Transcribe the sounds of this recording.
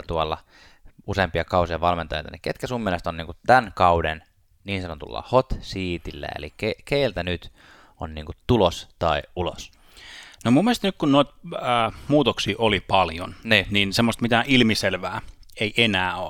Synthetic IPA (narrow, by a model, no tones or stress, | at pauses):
t̪uɑlːɑ | useːmpiɑkɑusiɑʋɑlment̪ɑjḛjt̪ɑniket̪kæsumːielest̪oniːŋkut̪t̪ænkɑuden | niːnsɑnot̪ṵlːɑ̰hot̪siːt̪ilːæ̰ḛlikekeilt̪ænyt̪ | onniːŋkutt̪ulost̪ɑiulo̰s | nomumːiest̪nykkunnoit̪̚əːmuːt̪oksiːʔolipɑljo̰nniːniːnsemːost̪mit̪æʔilmiselʋæːeiʔenæːo